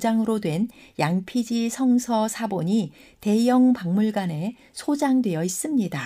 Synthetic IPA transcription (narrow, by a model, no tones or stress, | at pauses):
d͡ʑaŋɯɾodwe̞njaŋpʰid͡ʑisʰʌŋsʰʌsʰaboɲi | te̞jʌŋpaŋmuɭɡane̞ | sʰod͡ʑaŋdwe̞jʌis͈ɯmɲida